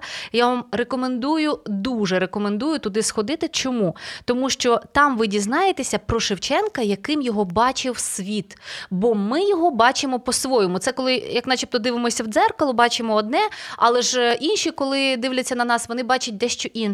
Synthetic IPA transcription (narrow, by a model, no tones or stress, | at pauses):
jaʋɑmrekɔmend̪ujʊd̪uʒɛɾekɔmend̪ujʊt̪ʊd̪ɪsxɔd̪ɪt̪ɪt͡ʃɔmut̪ɔmuʃt͡ʃɔt̪ɑmʋɪdʲiznɑjet̪esʲɐpɾɔʃɪwt͡ʃɛnkɐjɐkɪmjɔɦɔbɑt͡ʃɪwsʲʋʲit̪bɔmɪjɔɦɔbɑt͡ʃɪmɔpɔsʋɔjɔmʊt̪sɛkɔlˠɪjɐknɑt͡ʃʲip̚t̪ɔd̪ɪʋɪmɔsʲɐwd̪zɛrkɔlˠʊbɑt͡ʃɪmɔːd̪̚nɛɑlˠɛʒinʃikɔlˠɪd̪ɪʋlʲɐt͡sʲːɐnɐnɑsʋɔnɪbɑt͡ʃɐt̚ʲd̪ɛʃt͡ʃɔʔin